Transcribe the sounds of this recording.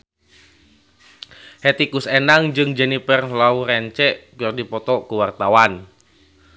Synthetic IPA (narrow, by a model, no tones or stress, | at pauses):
hɛt̪ikusɛnaŋd͡ʒɨŋd͡ʒɛnipərlauɾɛɲt͡ʃɛʔpirdipɔt̪ɔkuwart̪awan